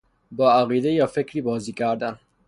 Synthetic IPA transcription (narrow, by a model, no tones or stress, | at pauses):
bɒːæɣiːd̪ejɒːfekɾiːbɒːziːkʰæɾd̪æn